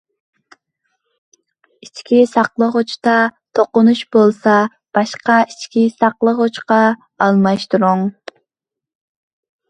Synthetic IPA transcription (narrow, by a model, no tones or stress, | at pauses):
it͡ʃkʲisɑqlˠəʁʊt͡ʃt̪ɑt̪ʰoqʊnuʃbolˠsɑ | b̥ɑʃqɑit͡ʃkʲisɑqlˠəʁot͡ʃqɑː | lˠmɑʃt̪uɾuŋ